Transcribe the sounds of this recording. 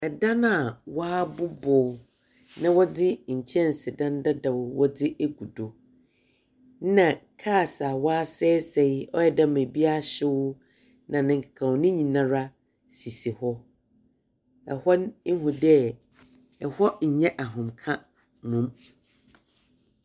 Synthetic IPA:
ɛ˨da˦nã˦˨waː˦bʊ˦bʊː˨ | nã˦wɔ˦dɪ˦ɲ̩˨t͡ɕʰɛ̃˦n̩˨sɪ˨dã˦n˦da˦da˨wʊ˨wɔ˦dɪ˦ʔe˦ɡu˨do˨ | n˦nã˨kʰaː˦˨sa˨wɔ˦a˦sɛ˦sɛ˨jɔ˦jɛ˨dã˦m˨e˨bi˦a˦˨ɕɪ˦wʊ˦ | nã˨nɪ̃˨ŋ̩˨kʰḁ˨kʰã˨wnɪ̃˦ɲĩ˨nã˨ɾa˦ | si˨si˨hɔ˦ | ɛ˨hɔ˦n̩˦ɦũ˨dɛ˦ | ɛ˨hɔ˦ɲ̩˨ɲɛ̃˦ʔa˨ɦʊ̃˨mkʰã˦ | nʊ̃˨m

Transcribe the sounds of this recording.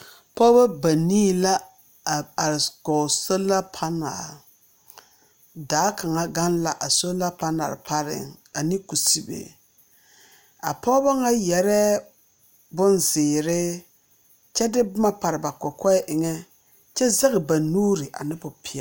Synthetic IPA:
pɔ˦ba˦ba˨niː˦la˦˨ | a˨ɾɡɔ˨so˦la˦pʰa˦na̰˨ɾ | daː˨˦ka˨ŋa˦ɡa˦nla˨ʔa˨so˦la˦pa˦na̰˨ɾɪ˨pa˦ɾɪ̰˨ŋa˨ni˦ku˨si˦bḛ˨ | a̰˨pɔː˦ba˦ŋa˦jɛ˨ɾɛ˦ | bʊ˦nzɪː˨ɾɪ˦ | t͡ʃɛ˦dɪ˦bma˦pa˨ɾɪ˨ba˨kɔ˨kɔ˦ʔɪ˨ŋɛ˦ | t͡ʃɛ˦za˦ɣɪ˨ba˨nuː˦ɾɪ˨ʔa̰˨nɪ˦bʊ˨pʰɪ˨a˨

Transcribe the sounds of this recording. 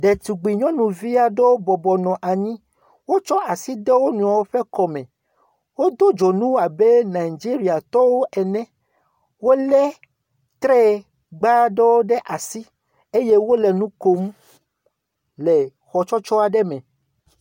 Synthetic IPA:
ɖe˨t̪u˨ɡ͡bi˨ɲɔ̃˦nũ˨vi˦a˨ɖo˦wo˦bɔ˨bɔ˨nɔ̃˨ʔa˨ɲĩ˦ | wo˦t͡ʃɔ˦ʔa˨si˦ɖe˦wo˦nũ˨a˨wo˦ɸɛ˦kɔ˨mɛ̃˨ | wo˦d̪o˦d͡ʒo˨nũ˦a˨be˦na˨i˨d͡ʒi˦ɾi˨a˨t̪ɔ˦wo˦ʔɛ˨nɛ̃˦ | wo˦lɛ˦ | t̪ɾɛ˦ | ɡ͡ba˦ɖe˦wo˦ɖe˦ʔa˨si˦ | e˦je˦wo˦le˨nũ˦ko˨m˦ | le˨ | xɔ˨t͡ʃɔ˦t͡ʃɔ˦a˨ɖe˦mɛ̃˨

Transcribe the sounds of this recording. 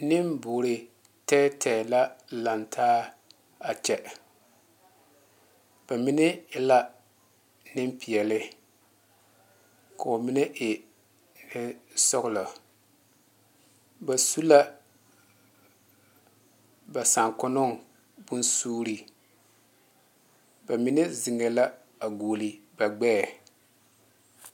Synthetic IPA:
nɪ˦mbʊː˨ɾɪ˨ | tɛː˦tʰɛː˨la˦la˨ntʰaː˦ | a˨t͡ʃɛ˨ | b̥a˨mɪ˦nɪ˦ɪ˦la˦ | nɪ˦mpi˨ɛ˨lɪ˦ | ka˨o˨mɪ˦nɪ˦ʔɪ˨ | nɪ˦sʊ˦ɣʊ˦˨lɔ˨ | ba˨su˦la˦ | ba˨sa˨ŋkʊ˦nʊ˦ŋ | bʊ˦nsuː˦ɾi˨ | ba˨mɪ˦nɛ˦zɪ˨ŋɛ˨la˦ | a˨ɡuː˨li˨ba˨ɡ͡bɛː˦˨

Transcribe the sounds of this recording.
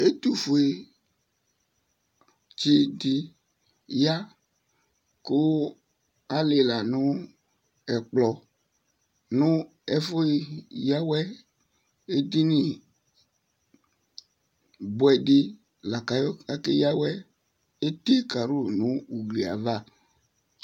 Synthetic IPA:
e˦t̪u˨fo˨e˨ | t͡ʃi˦dɪ˦ | ja˦ | kʊ˦ | a˦le˨la˨nʊ˦ | ɛ˨k͡plɔ˨ | nʊ˦ | ɛ˦fo˦ja˦wɛ˦ | e˦di˦ni˨ | bwɛ˨di˦ | la˨ka˨jɔ˦a˦ke˦ja˦wɛ˦ | e˦t̪e˦ka˨ɾu˦nu˦u˨ɡli˨a̰˨va˦˨

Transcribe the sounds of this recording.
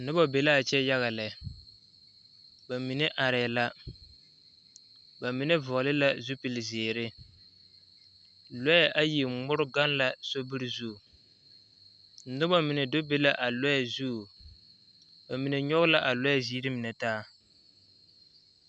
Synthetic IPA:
nʊ˦ba˦be˨la˦˨t͡ʃɛ˦ja˦ɣa˨lɛ˨ | ba˨mi˨ne˦ʔa˨ɾɪ˨la˦ | ba˨mi˨nɛ˦vʊ˨lɪ˦la˦zu˦pi˨lzeː˨ɾɪ˦ | lɔ˦jɛ˦ʔa˦ji˨ŋʊ˦ɾʊ˦ɡa˦nla˨so˦bɨ˦ɾzu˦˨ | nʊ˦ba˦mi˨nɛ˨dʊ˦be˦la˦ʔa˨lɔ˦ɛ˨zu˦˨ | ba˨mi˨ne˨ɲɔ˦ɣʊ˦la˦ʔa˨lɔ˦ɛ˨ziː˦ɾɪ˦mi˨nɛ˨taː˦

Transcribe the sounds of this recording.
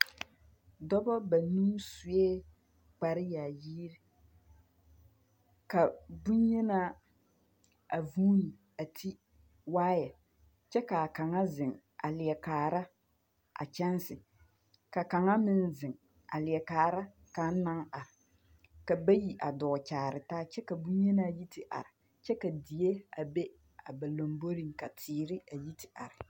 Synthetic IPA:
dɔ˦bɔ˦ba˨nu˦msu˨ɛ˦ | k͡pa˨ɾɪ˦ja˨jiː˦ɾɪ˦ | ka˨bʊ˦n˦ɲɛ˦na˦ | a˨vuː˦ni˨ | a˨tʰi˦ | waː˦jɛ˨ | t͡ʃɛ˦ka˨ka˨ŋa˦zɪ˨ŋ | a˨lɪ˨ɛ˨kaː˨ɾa˦ | ʔa̰˨t͡ʃɛ˦nsɪ˨ | ka˨ka˨ŋa˦mɪ˦nzɪ˨ŋ | a̰˨lɪ˨ɛ˨kaː˨ɾa˦ | ka˨˦n˦na˦ŋa˨ɾɪ˨ | ka˨ba˦ji˨ʔa˨dɔː˨t͡ʃaː˨ɾɪ˨taː˦t͡ʃɛ˦ka˨bu˦ɲɛ˦na˦˨ji˦tɪ˨ʔa̰˨ɾɪ˨ | t͡ʃɛ˦ka˨di˨je˦a˨be˦ | a˨ba˨lo˨mbo˦ɾi˦ŋka˨tʰiː˨ɾɪ˦a˨ji˦tʰɪ̥˨ʔa˨ɾɪ˨

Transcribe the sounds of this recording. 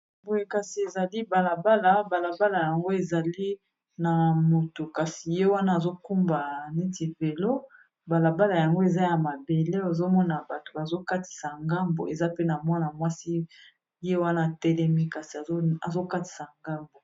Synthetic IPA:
bo˨je˦ka˨si˨e˨za˨li˦ba˨la˨ba˦la˨ba˨la˨ba˦la˨ja˨ŋɡo˦e˨za˨li˦ | na˨mo˨to˨ka˨si˨je˦wa˦naː˦˨zo˦ku˦mba˨ni˦ti˨ve˨lo˦ | ba˨la˨ba˦la˨ja˨ŋɡo˦e˨za˦ja˨ma˨be˨le˦o˨zo˦mɔ˦na˨ba˨to̥˨ba˨zo˦ka˦ti̥˨sa˨ŋɡa˦mbo̰˨e˨za˦pe˦na˨mwa˦na˨mwa˦si˦ | je˦wa˦na˦˨tɛ˦lɛ˦mi˦ka˨si˨a˨˦a˨zo˦ka˦ti̥˨sa˨ŋɡa˦mbo˨

